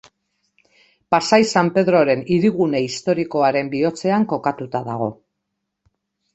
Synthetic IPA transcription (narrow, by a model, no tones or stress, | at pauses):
pasajsampe̞ðɾo̞ɾe̞niɾiɣune̞ist̪o̞ɾiko̞aɾe̞mbio̞t͡se̞aŋko̞kat̪ut̪aða̰ɣ̞o̞